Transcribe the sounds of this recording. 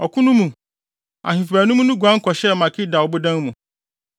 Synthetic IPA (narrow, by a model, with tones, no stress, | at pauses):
ɔ˨kʰũ˦nũ˦mũ˨ | a̰˨hĩ˨fæ˨nũ˦mũ˦nʊ̃˦ɡʷã˦ŋ̩˦kʰɔ˨ɕɛ˦˨mã˨kʰɪ˦da˨wbʊ˦dã˦ŋmũ˨